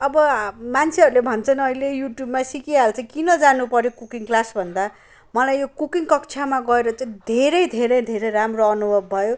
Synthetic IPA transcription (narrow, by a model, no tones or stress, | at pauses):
ʌbʌmant͡sʰeʌɾulebʱʌnt͡sʰʌnʌilejuʈjubmasikiɦalt͡sʰʌkinʌd͡zanupʌɾjokukiŋklasbʱʌnd̪a | mʌlajjokukiŋkʌkt͡sʰamaɡʌeɾʌt͡sʌj̃d̪ʱeɾʌjd̪ʱeɾʌjd̪ʱeɾʌjramroʌnubʱʌbːʱʌjo